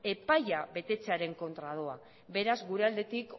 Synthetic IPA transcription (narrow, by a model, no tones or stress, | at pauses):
e̞pajaβe̞t̪e̞t͡seaɾe̞ŋko̞nt̪ɾað̞o̞a | be̞ɾazɡuɾe̞ald̪e̞t̪ik